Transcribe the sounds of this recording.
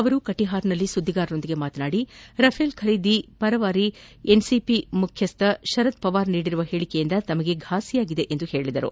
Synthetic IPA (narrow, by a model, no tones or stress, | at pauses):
ɐʋɐɾukɐʈiɦaːɾnɐlːisud̪ʱːiɡaːɾɐno̞nd̪iɡe̞maːt̪ɐnaːɽiɾɐpʰeːlkʰɐɾiːd̪ipɐɾɐʋaːɾiensipimukʰjɐst̪ɐʃɐɾɐt̪pɐʋaːɾniːɽiɾuʋɐɦeːɭikejind̪ɐt̪ɐmɐɡe̞ɡʱaːsijaːɡid̪e̞ʔend̪uhe̞ːɭid̪ɐɾṵ